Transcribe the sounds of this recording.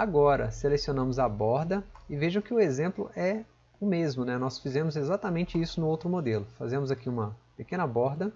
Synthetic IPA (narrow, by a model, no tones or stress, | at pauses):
aɡɔɾɐ̰selesionɐ̃mʊzɐbɔɾd̪ɐɪveʒɐ̃w̃kɪʊezẽmplʊ̰ʔɛ | ʊmezmʊnɛnɔsfizẽmʊzezat̪amẽnt͡ʃɪisʊnʊowt̪ɾʊmod̪elʊfazẽmʊzakiũmɐpekẽnɐbɔɾd̪ɐ